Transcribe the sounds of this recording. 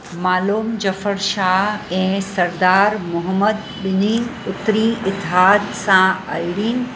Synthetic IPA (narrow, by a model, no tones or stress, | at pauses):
maːluːmd͡ʒɐfəɾʃaːɦɛ̃ːsɐɾd̪aːɾmʊɦəməd̪ | bɪniːʊt̪ːɾiɪt̪ːɪɦaːd̪sãa̰jɽiːn